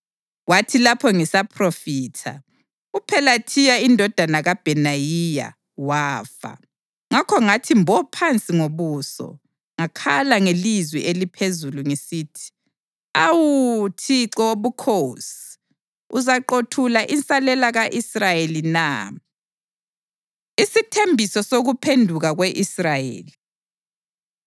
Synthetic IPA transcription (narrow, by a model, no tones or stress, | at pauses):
watʰilapʰɔŋisapʰrofiːtʰa̰ | upʰɛlatʰijaindʱɔd̥ʱanaɣab̥ʱɛnajija̰ | waːfa̰ | ŋakʰɔŋatʰimbʱɔpʰant͡sʼiŋoβuːsɔ̰ | ŋakʰalaŋelizwiʔelipʰezuluŋisiːtʰi̥ | awutʰiǁɔoβukʰosi̥ | uzaǃotʰulaʔint͡sʼalɛlaɣaʔisrajelina̰ | isitʰembʱisɔsoɣupʰendʱuɣaɣweʔisrajḛːli